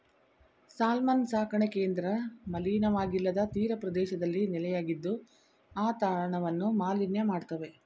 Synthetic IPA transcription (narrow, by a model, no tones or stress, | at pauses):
saːlmansaːkʰɐɳekeːnd̪ɾɐmɐliːnɐʋaːɡilːɐd̪ɐt̪iːɾɐpɾɐd̪ɛːʃɐd̪ɐlːinilɐjaːɡid̪ːu | aːt̪aːɭɐɳɐʋɐnːumaːlinjɐmaːɖt̪ɐʋe̞